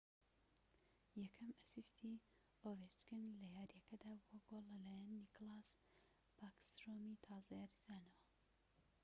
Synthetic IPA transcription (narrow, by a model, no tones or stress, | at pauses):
jɛkʰɐmɐsist̪ʰi | ovet͡ʃkɨnlɐjaːɾjɛkɐd̪aːbwɐɡolɐlaːjɛnːiklaːs | b̥akst̪ɾomit̪ʰɑːzɐjaːɾizaːnɐwɐ